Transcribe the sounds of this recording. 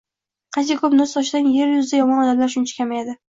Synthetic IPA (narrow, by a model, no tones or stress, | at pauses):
qʰɑnt͡ʃakʰɵpnʊzt̪ʰɒʃd̪anje̞ɾjʊzd̪ajɒmɒnɒd̪amlaɾʃʊnt͡ʃʰḁkʲʰamajad̪ɪ